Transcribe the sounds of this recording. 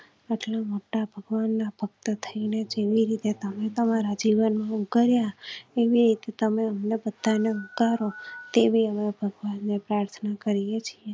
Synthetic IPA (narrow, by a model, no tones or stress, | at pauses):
aʈlamoʈabʱəɡʋanːapʰək̚t̪ət̪ʰəined͡ʒeʋiɾit̪et̪əmet̪əmaɾad͡ʒiʋənmãukəɾjaeʋiɾit̪et̪əmeəmnebəd̪ʱːaneukaɾot̪ebʱiəmebʱəɡʋanːepɾaɾt̪ʰnakəɾijet͡ʃʰie